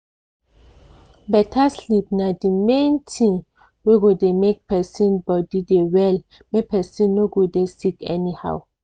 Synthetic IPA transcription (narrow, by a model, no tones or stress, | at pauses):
bɛtʰaslip̚nadimẽntʰĩŋ | weɡodemek̚pʰɛsĩnbɔdidewɛl | mepʰɛsĩnːoɡodesikɛ̰niha̰w